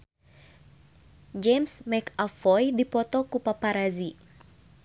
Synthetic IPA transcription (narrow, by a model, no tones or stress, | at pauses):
d͡ʒɛmsmɛkafɔjdipɔt̪ɔkupapaɾazi